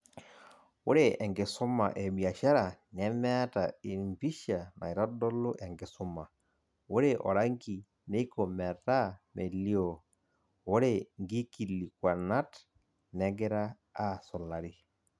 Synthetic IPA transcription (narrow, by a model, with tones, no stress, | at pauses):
wo˦ɾe˦˨ʔɛ˨ŋɡe˨sʊ˦ma̰˨ʔɛ˨ɓi˨a˨ʃa˦ɾa˨nɛ˦mɛ˦a˦ta˨i˨mbi˦ʃa˨ma̰˨i˨ɾɔ˦dɔ˦lo˦ʔɛ˨ŋɡɪ˨sʊ˦ma˨ | o˦ɾe˨ʔɔ̰˨ɾa˦ŋɡi˨ | ne˦i˦ko˨mɛ˨ta˦me˨li˦o˨ | o˦ɾe˦ŋɡi˦ki˨li˨kwa˨na˦t | nɛ˦ɡɛ˦ɾaː˦ | sɔ˨la˨ɾi˦